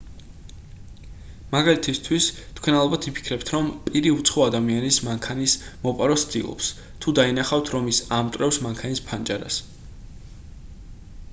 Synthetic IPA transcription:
maɡalit̪ʰist̪ʰwist̪ʰkʰwɛnalˠɔbat̪ʰipʰi̥kʰɾɛp̚t̪ʰɾɔmpʼiɾiut̪sʰχɔad̪amianismaŋkʰanismɔpʼaɾɔssd̪ḭlˠɔ̰ps | t̪ʰud̪ainaχavt̪ʰɾɔmisamt̪ʼwɾɛfsmaŋkʰanispʰant͡ʃʼaɾa̰s

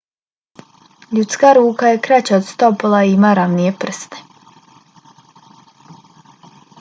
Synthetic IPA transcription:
ʎut̪skaːɾuːkaje̞kɾat͡ɕaod̪st̪opolaimaːɾaʋnije̞pr̩st̪e̥

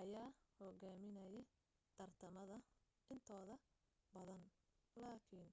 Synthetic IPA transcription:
ʔɐjaːhɔɣaːmɪnɐjɛ | t̪ʰɐrt̪ʰɐmɐðɐ | ʔɪnt̪ʰɔːðɐ | bɐðɐnlaːkʰiːn

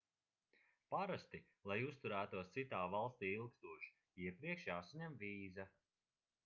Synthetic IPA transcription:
paɾast̪i | lˠajust̪uɾæːt̪uɔst̪sit̪aːvalˠst̪iːilˠkst̪uːʒ | iɛpɾiɛkʃjaːsaɲɛmviːza

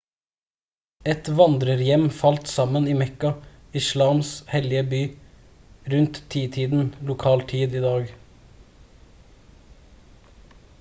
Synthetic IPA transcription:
ɛt̪ʋɑnd̪ɾəɾjɛmfɑlt̪sɑməniːmɛkɑ | ɪʃlɑːmshɛlɪəbyː | ɾʉnt̪t̪ʰːiːt̪ʰiːd̪n̩lʊkʰɑːlt̪ʰiːd̪iːd̪ɑːɡ

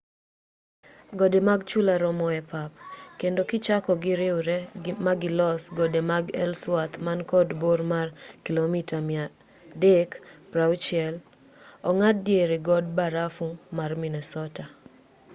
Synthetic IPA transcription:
ɡodemaɡ̚t͡ʃulaɾɔmɔɛpapkendokɪt͡ʃakɔɡɪɾɪwɾɛmaɡɪlɔsɡɔdemaɡɛlswat̪mankɔdbormarkilomitamɪa | dekpɾawt͡ʃɪɛl | ɔŋat̚djeɾeɡɔd̚baɾafumarminɛsɔta

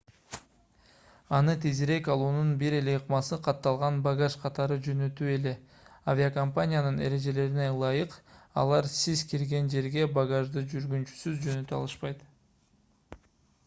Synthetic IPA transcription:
ɑnɯt̪ʰiziɾe̞kɑlˠuːnunbiɾe̞le̞jɯqmɑsɯqʰɑt̪ːɑlˠʁɑnbaɡaʃqʰɑt̪ɑɾɯd͡ʒø̞nø̞t̪ye̞le̞ | avʲiakompanʲɪjanɯne̞̰ɾe̞ʒe̞le̞ɾine̞lˠɑjɯqɑ̰lˠɑɾsizkiɾɡe̞nd͡ʒe̞ɾɡe̞baɡaʒd̪ɯd͡ʒyɾɡynt͡ʃy̥syzd͡ʒø̞nø̞t̪yɑ̰lˠɯʃpɑjt̪

